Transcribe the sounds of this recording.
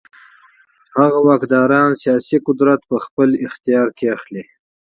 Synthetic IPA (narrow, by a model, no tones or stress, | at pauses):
haɣawɑːkd̪ɑːɾɑːnsijɑːsiqʊd̪ɾat̪pəxpəlɪxt̪ijɑːɾkeaxli